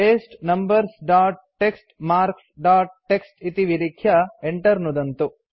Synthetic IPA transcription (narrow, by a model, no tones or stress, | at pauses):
eːsʈnɐmbɐɾsɖaːʈ̚ | ʈːeksʈmaːɾksɖaːʈ̚ʈːeksʈit̪iʋiɾikʰjɐeɳʈɐɾnud̪ɐnt̪u